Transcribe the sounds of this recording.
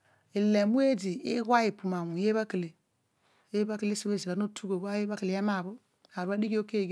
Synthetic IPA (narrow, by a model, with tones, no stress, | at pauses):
e˨le˨mu˦e˦di˨i˦ɡwa˦ji˨pu˨ma˨wũ˨je˦ba˦kə˨le˨ | je˦ba˦kle˦si˦we˦˨zi˨ɾa˨no˦tʰu˦ɡo˨ba˦je˦ba˦kə˨le˨˦e˦ma˨bo˦ | a˨ɾba˦di˦ɡi˦o˦ke˦˨